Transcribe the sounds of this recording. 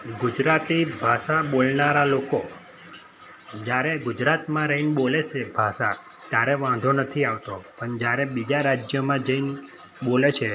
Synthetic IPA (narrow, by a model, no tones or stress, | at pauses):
ɡud͡ʒɾat̪ibʱaʃaɓolnaɾaloko | d͡ʒjaɾeɡud͡ʒɾat̪mãɾəɦinɓolet͡ʃʰebʱaʃa | t̪jaɾeʋãnd̪ʱonət̪ʰiaʋt̪opəɳd͡ʒjaɾebid͡ʒaɾad͡ʒjəmãd͡ʒəin | ɓolet͡ʃʰe